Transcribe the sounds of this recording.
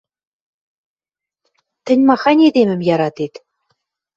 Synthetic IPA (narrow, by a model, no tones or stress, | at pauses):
t̪ʲɘ̆nʲmɑχɑnʲed̪ʲemʲɘ̆mjɑɾɑt̪et̪ʲ